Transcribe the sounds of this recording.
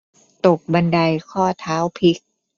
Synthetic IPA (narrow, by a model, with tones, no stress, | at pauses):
t̪o˨˩k̚ba˧nda˧jkʰɔː˥˩t̪ʰaː˦˥wpʰi˦˥k̚